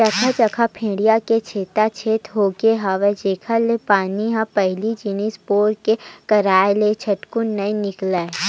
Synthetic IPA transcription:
t͡ʃɐkʰat͡ʃɐkʰapʰẽːɽijaket͡ʃʰeːt̪at͡ʃʰeːt̪ɦoːɡeɦaʋed͡ʒeːkʰalepaːniɦãpɐɦlid͡ʒinispoːɾkekɐɾaːelet͡ʃʰɐʈkʊnːɐĩnɪklaː

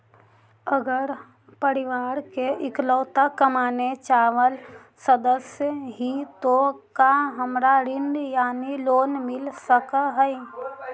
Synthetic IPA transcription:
əɡəɾ | pəɾɪʋaːɾkeʔɪkləːt̪akəmaːnet͡ʃaːʋəl | səd̪əsjəɦit̪okaɦəmɾaɾɪɳɖjaːniloːnmɪlsəkaɦɛi

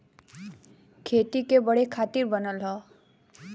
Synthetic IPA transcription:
kʰet̪ikebʌɽekʰat̪iɾbʌnʌlɦʌ

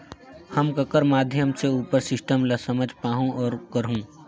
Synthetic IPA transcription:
həmkəkəɾmaːd̪ʱjəmseuːpəɾsɪsʈəmlasəməd͡ʒʱpaːɦũɔːɾkəɾɦũː

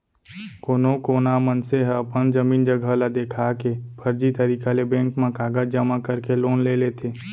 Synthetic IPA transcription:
koːnokoːnamənseɦəpənd͡ʒəmiːnd͡ʒəɡʱəlad̪eːkʰakepʰəɾd͡ʒit̪əɾikalebẽːŋkmẽkaːɡəd͡ʒd͡ʒəmakəɾkeloːnleleːt̪ʰeː

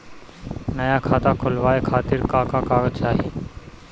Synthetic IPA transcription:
nəjaːkʰaːt̪aːkʰʊlʋaːeːkʰaːt̪ɪɾkaːkaːkaːɡt͡ʃʰaːɦeː

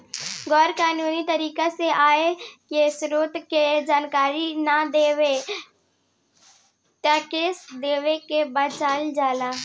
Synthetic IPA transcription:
ɡɔːɾkaːnuːnit̪ɐɾiːkaseʔaːekesɾoːt̪ked͡ʒaːnkaːɾinad̪eːwe | t̪akeːsd̪eːwekebət͡ʃaːld͡ʒaːlaː

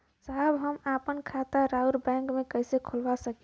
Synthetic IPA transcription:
saɦbɦəmapənkʰat̪aɾauɾbɛ̃ŋkmekəjsekʰolbasəki

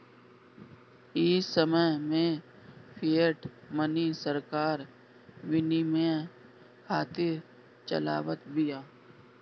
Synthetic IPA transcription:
iːsəməjmẽ | pʰijeʈmənisəɾkaːɾ | ʋɪnimẽ | kʰaːt̪ɪɾ | t͡ʃə̰la̰ːʋət̪bɪjaː

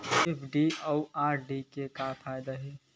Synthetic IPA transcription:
epʰɖiaaːɾɖikekafʰaːɪd̪aɦɛː

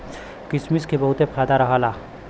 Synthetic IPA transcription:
kɪsmiskebɐɦʊt̪epʰaːd̪aɾɐɦalaː

